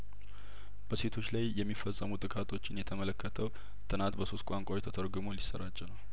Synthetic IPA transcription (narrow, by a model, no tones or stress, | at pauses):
b̥əse̞t̪ʰo̞t͡ʃːlajjɛmːifːəsʼːəmut̪ʼɨkʼat̪ʰo̞t͡ʃːɪnjɛt̪ʰəmələkːət̪ʰəw | t̪ʼɨnant̪bəso̞st̪̚kʷʼaŋkʷʼawet̪ʰət̪ʰəɾɡɨmolisːəɾat͡ʃːɛnəw